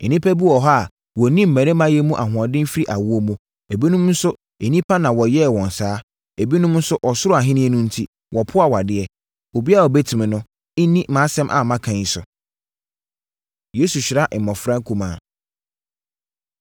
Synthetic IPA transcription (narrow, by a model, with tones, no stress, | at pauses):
nɪ̃˦pʰæ˦bu˦ɔ˨ɦɔ˦a˨ | wɔ˨nĩ˦m̩˨mæ̃˨ɾe˦mã˦jɛ˦mũ˦ʔa˨ɦʊ̃˨ã˨dɪ̃˦m˦fɾi˦ʔa˨wʊ˦o˦mũ˦ | e˨bi˦nʊ̃˦mn̩˦sʊ˦ | e˨nĩ˦pʰa˦nã˨wɔ˨jɛ˦˨wɔ̃˨n˨saː˦ | e˨bi˦nʊ̃˦mn̩˦sʊ˦ʔɔ˨sʊ˦ɾʊ˦a˨ɦɪ̃˦nɪ̃˦ɛ˦nũ˦n̩˦tʰi˦ | wɔ˨pʰʊ˦a˨wa˨dɪ˦ɛ˨ | o˨bi˦a˦˨wɔ˨bɛ˦tʰĩ˨mɪ̃˨nʊ̃˦ | ɪ˦nĩ˦mã˨˦sɛ̃˦mʔa̰˨mã˦kʰã˨ɲi˨sʊ˨ | je˦su˨ɕɪ˨ɾa˦ʔ̩˨mɔ̃˨fɾã˦ŋ˦kʰu˦mãː˨